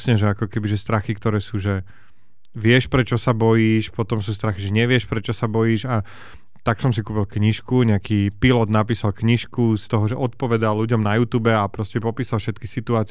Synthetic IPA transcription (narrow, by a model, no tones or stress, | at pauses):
sɲɛʒɛakɔkɛbiʒɛst̪ɾaxikt̪ɔɾɛːsuːʒɛ | ʋɪɛʃpɾɛt͡ʃɔsabɔjiːʃpɔt̪ɔmsuːst̪ɾaxiʒɛɲɛʋɪɛʃpɾɛt͡ʃɔsabɔjiːʒa | t̪aksɔmsikuːpilˠkɲiʃkuɲɛakiːpilɔd̪napiːsalkɲiʃkust̪ɔɦɔʒɛʔɔt̪̚pɔʋɛd̪alːuɟɔmnajuːt̪uːbɛapɾɔscɛpɔpiːsalfʃɛt̪kisit̪uaːt͡s